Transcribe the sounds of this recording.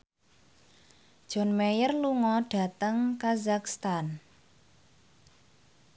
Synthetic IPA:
d̥ʒ̥ɔ̤nmejərluŋɔɖ̥a̤t̪əŋkazakst̪an

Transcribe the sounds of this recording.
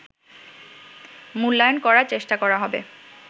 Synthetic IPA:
mulːajonkɔɾat͡ɕeʃʈakɔɾaɦɔbḛ

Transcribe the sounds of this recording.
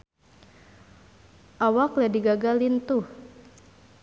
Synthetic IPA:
ʔawakladiɡaɡalint̪uh

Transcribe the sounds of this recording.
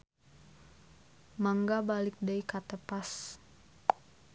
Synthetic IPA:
maŋɡabalɪk̚dajkat̪əpas

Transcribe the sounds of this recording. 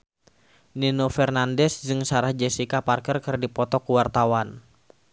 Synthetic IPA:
ninofɛrnandɛsd͡ʒɨŋsaɾahd͡ʒɛsikaparkərkɨrdipɔt̪ɔkuwart̪awan

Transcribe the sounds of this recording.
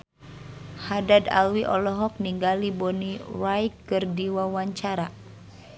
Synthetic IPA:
hadada̰lwiʔɔlɔɦɔk̚niŋɡalibɔnirajkːɨrdiwawaɲt͡ʃaɾa

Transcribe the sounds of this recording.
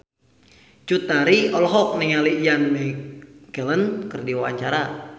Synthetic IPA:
t͡ʃut̪aɾiɔlɦɔk̚niŋalijanmɛkələnkərdiwawaɲt͡ʃaɾa

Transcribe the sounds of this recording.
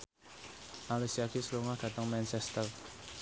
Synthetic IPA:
ʔalusiakisəluŋahd̪̥ä̤t̪əŋmɛnt͡ʃɛst̪ər

